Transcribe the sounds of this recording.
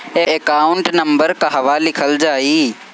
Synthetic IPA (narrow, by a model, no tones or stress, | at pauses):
ẽʔekaːʊɳʈnɐmbəɾkaɦɐʋaːlɪkʰəld͡ʒaːiː